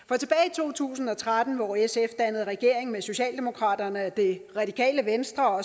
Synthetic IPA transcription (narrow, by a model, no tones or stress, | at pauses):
fɒ̽t͡sʰe̝b̥ɛːɪit͡sʰo̝̰ːt͡sʰṵːsn̩ɒ̽t͡sʰʁad̥n̩ʋɒesefd̥ænəð̞̩ˠʁɛɡ̥e̝ɐ̰e̝ŋmeso̝ɕɛ̰ːld̥e̝mo̝kʰʁɑ̰̈ːd̥ɐnəæd̥e̝ʁɑ̈d̥ikʰɛ̰ːləʋensd̥ʁɐɒ̽